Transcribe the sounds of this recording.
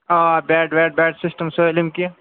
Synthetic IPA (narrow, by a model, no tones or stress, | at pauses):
aːbɛːɖʋɛːɖ̚bɛːɖsɪsʈəmsolɪmkia